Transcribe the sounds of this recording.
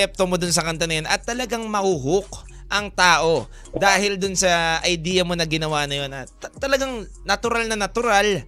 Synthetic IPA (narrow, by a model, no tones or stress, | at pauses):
ɛp̚t̪omo̞d̪ʊns̬ɐkɐnt̪onɐjonʔɐt̪ːɐlɐɡaŋmɐhuːɦʊk̚ | ʔɐŋt̪aːʔo̞ | d̪aːhɪld̪ʊnsɐʔɐjd̪iːjɐmo̞nɐɡɪnɐwaːnɐjo̞nɐt̪t̪ɐlɐɡaŋ | nɐt̪ʊɾalnɐnɐt̪ʊɾal